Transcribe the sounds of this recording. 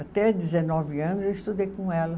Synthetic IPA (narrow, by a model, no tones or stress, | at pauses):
at̪ɛd͡ʒɪzenɔvɪɐ̃nʊzewist̪ud̪ejkõɛlɐ